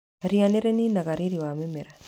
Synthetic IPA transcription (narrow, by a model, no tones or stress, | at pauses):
ɾianeɾeninaɣaɾiɾiwamemeɾa